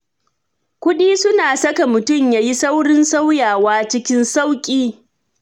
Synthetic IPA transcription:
kʷʊ˦ɗiː˦sʊ˦naː˨sɐ˦ka˨mʊ˨tʊ˦˨mjaː˦ji˦sa˦wɽɪ˦nsa˦wjaː˨waː˦t͡ʃɪ˦kʲɪ˦nsa˦wkʲʼiː˦

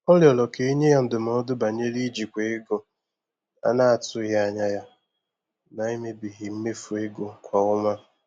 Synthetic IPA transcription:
ɔ˦ljɔ˨lɔ˨ke˨i˦ɲe˦ja˦n̩˦dʊ˨m˨ɔ˨˦dʊ˦ba˨ɲe˦li˦d͡ʒi˨kʷe˨e˦ɡo˨ | a̰˦na˨a˨tʊ˦ɣa˦˨ɲa˦ja˦ | na˨i˦me˦bi˨ɦɪ˨m̩˦me˦fʊ˨e˦ɡo˨kʷa˨ʊ˦ma˦

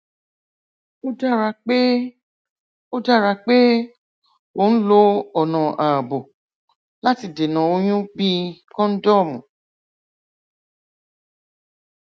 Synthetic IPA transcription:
o˦da˦˨ɾa˧k͡pe˦ | o˦da˦˨ɾa˧k͡pe˦ | wo˨˦n̩˦lo˦ɔ˨nã˨ʔa˨bo˨ | la˦ti˧de˨nã˨o˧˦j̃ũ˦bi˦kɔ̃˦n̩˦dɔ˦˨mũ˨

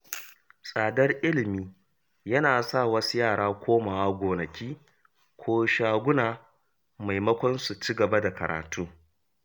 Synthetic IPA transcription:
sʼaː˨dɐ˦rʔɪ˦lɪ˨miː˦ | jɐ˦naː˨sa˦˨wɐ˦su˦jaː˦˨ɽaː˦kʷʰoː˦maː˨wa˦ɡʷoː˨nɐ˨kʲiː˦ | kʷʰoː˦ʃaː˦ɡʷʊ˦naː˨ | ma˨jmɐ˦kʷɔ˦nsu˨t͡ʃi˦ɡɐ˨ba˦da˨kɐ˨ɾa̰ː˨tʰuː˦

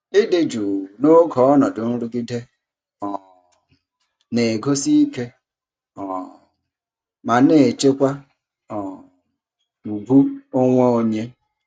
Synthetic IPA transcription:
ɪ˦dɪ˦d͡ʒu˨no˦ɡɔ˨ɔ˦nɔ˨dʊ˨n̩˦ɾu˦ɡi˦de˦ | ɔ˨ | ne˨ɡo˦si˦i˦ke˦ | ɔ˨ | ma˨ne˨t͡ʃe˦kʷa˦ | ɔ˨ | u˨bu˦o˦ŋʷe˦o˦ɲe˦

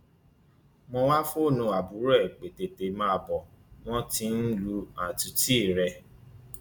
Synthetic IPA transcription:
mɔ̃˧wa˦fo˦˨nũ˧˨a˨bu˨˦ɾɛ˦˨k͡pe˨te˨te˨mãː˦˧bɔ˨ | w̃ɔ̃˦tĩ˧˦n̩˦lu˧a˨tũ˧ti˦˨ɾɛ˧

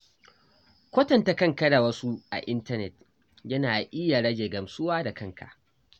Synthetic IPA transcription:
kʷo˦tɐ˨nta˨kɐ˦˨ŋkɐ˦la˨wɐ˦su˦ʔa̰˨ʔɪ˦ntɐ˦nɛ˨t̚ | jɐ˦naː˨ʔɪ˦jːa˨ɽɐ˦d͡ʒeː˨ɡɐ˨msʊ˦waː˦da˨kɐ˦ŋkʰa̰˨ʔ

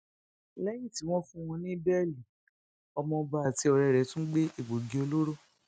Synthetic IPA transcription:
lɛ˦jĩ˦˨ti˨˦w̃ɔ̃˦fũ˦˧w̃ɔ̃˧nĩ˦bɛ˦˨li˨ | ɔ˧mɔ̃˧ba˦˨ti˨˦ɔ˧ɾɛ˨˧˨ɾɛ˨˦tũ˦ɡ͡be˦i˦˨ɡ͡bo˨ɡi˨o˧lo˦ɾo˦˨

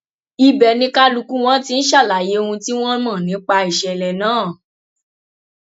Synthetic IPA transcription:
i˨bɛ˨nĩ˧˦ka˦lu˧ku˦w̃ɔ̃˦ti˧n̩˦ʃa˦˨la˨je˨˦o˧ũ˧ti˦w̃ɔ̃˦mã˦˨nĩ˨˦k͡pa˧i˨ʃɛ˨lɛ˨nãː˦˨

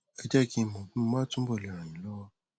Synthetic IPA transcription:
ɛ˧d͡ʒɛ˦˨ki˦˧˨mɔ̃˨ɡũ˦˧mãː˦tũ˦bɔ˦˨ɛ˨ɾ̃ã˨j̃ĩ˨lɔ˦wa˦

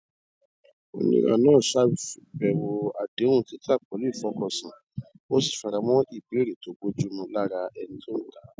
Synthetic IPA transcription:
o̰˧nḭ̃˧ɾã̰˦˨nãː˦˨sa˦˨fi˨bɛ˨wo˧a˧dẽ˨˦ũ˦˨ti˦ta˦˨k͡pɔ˨lfɔ˦kɔ˧˨sĩ˨ | o˦si̥˦˨fa˧ɾa˧mɔ̃˦i˦˨be˨˦ɾe˨to˨˦ɡ͡bo˦d͡ʒu˦mũ˧la˦ɾa˧ɛ˧nĩ˦tõ˦˨ta˨˦

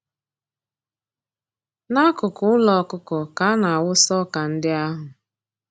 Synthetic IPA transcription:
na˦kʊ˨kʊ˨ʊ˦lɔ˨˦kʊ˦kɔ˨ka˦na˨a˨wʊ˦sɔ˦ka˨n̩˦dɪ˦a˦ɦʊ˨

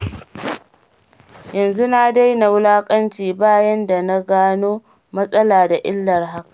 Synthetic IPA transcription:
jɐ˨nzu˦na˦da˦jna˨wlaː˦kʼɐ˦nt͡ʃiː˨baː˦jɐ˦nda˨na˦ɡaː˦noː˦ | mɐ˦sʼɐ˦laː˨da˨ʔɪ̰˦lːɐ˨rɦa˦kḁ˨ʔ

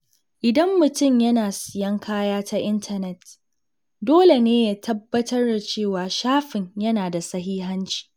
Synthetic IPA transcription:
ʔɪ˨dɐ˦mːʊ˨tʊ˦˨mjɐ˦naː˨sɪ˨jɐ˦ŋkʰaː˦jaː˦ta˦ʔɪ˦ntʰɐ˨nɛ˨t | doː˦le˨neː˦ja˦tʰɐ˦bːɐ˦tɐ˦rda˨t͡ʃeː˦˨waː˨ʃaː˦ɸɪ˨ɲjɐ˦naː˨da˨sɐ˦ɦiː˦ɦɐ˦nt͡ʃi̥˨

